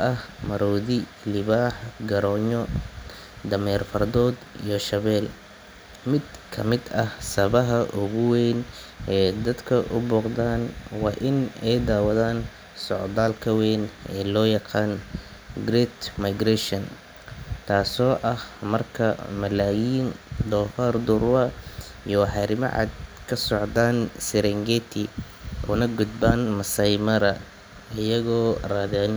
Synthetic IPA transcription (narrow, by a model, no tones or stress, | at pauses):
ɐhmɐɾɔːðɪ | lɪβaːħɡɐɾɔːɲɔ | d̪ɐmɛːrfɐrd̪ɔːd̪ijɞʃɐβɛːl | mɪd̪kʰɐmɪd̪ɐhsɐβɐɦɐʔʊɣʊwɛn | ʔɛːd̪ɐd̪kʰɐʔʊbuːqðaːnwɑːʔɪnɛjd̪aːwɐðaːn | sɔʕd̪aːlkʰɐwɛːnɛ̰ːlɔːjɑqɑːn | ɡɾɛːt̪majɡɾɛʃɔn | t̪ʰaːsɔːʔɐhmɐrkʰɐmɐlaːjiːnd̪ɔːfard̪ʊrwɐ | jɔwɑħɑɾɪmɐ̰ʕɑ̰ːd̪kʰɐsɔʕd̪aːnsɛɾɛŋɡɛt̪ʰɪ | ʔɔ̰ːnɐɡʊd̪̚baːnmɐsɐjmɐɾɐ | ɪjɐɣɔːraːðɛn